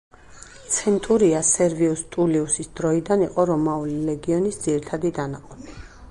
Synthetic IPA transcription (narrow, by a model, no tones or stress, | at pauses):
t̪sʰɛnt̪ʼuɾiasɛɾviust̪ʼuliusisd̪ɾɔid̪aniqʼɔɾɔmaulilɛɡiɔnisd̪z̥iɾit̪ʰad̪id̪anaqʼɔni